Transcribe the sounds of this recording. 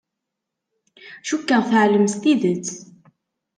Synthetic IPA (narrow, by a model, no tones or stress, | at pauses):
ʃukːaθəʕləmst̪iðət͡sː